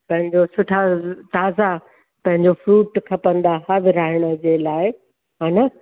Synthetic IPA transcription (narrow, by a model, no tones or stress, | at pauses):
pɐ̃ɦɪ̃ɲd͡ʑosʊʈʰat̪aːza | pɐ̃ɦɪ̃ɲd͡ʑofɾuːʈkʰɐpə̃nd̪aɦaʋɪɾaːɪɽ̃əd͡ʑeːlaːɪ | ɦaːna